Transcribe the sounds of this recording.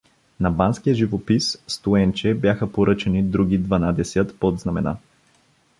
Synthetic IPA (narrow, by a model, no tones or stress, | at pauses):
nɐbanskijəʒivopisːt̪uɛnt͡ʃɛbjaxəpoɾɤt͡ʃɛnid̪ɾuɡ̟ʲid̪vɐnad̪ɛsʲət̪pod̪znɐmɛ̰na̰